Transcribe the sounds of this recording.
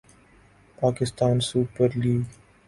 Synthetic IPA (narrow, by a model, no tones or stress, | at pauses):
paːkɪst̪aːnsuːpəɾliː